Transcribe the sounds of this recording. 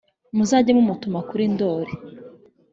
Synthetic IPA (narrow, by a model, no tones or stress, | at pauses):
muzaɟamumutumakuɾindo̞ɾi